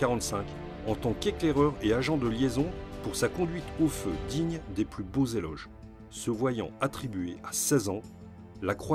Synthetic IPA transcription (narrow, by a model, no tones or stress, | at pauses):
aʁɑ̃t̪sɛ̃k | ɑ̃t̪ɑ̃keklɛʁœʁeaʒɑ̃d̪əljezɔ̃puʁsakɔ̃d̪ɥit̪ofød̪iɲd̪eplybozelɔ̰ʒ | səvwajɑ̰̃at̪χibɥeasɛzɑ̃ | lakχwa